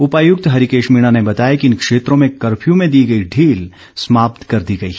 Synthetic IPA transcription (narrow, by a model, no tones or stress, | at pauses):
ʊpaːjʊk̚t̪ɦɐɾikeːʃmiːɽ̃anebɐt̪aːjekiɪnkʃeːt̪ɾõmẽkɐɾpʰjũmẽd̪iːɡɐiɖʱiːl | smaːp̚t̪kɐɾd̪iɡɐḭː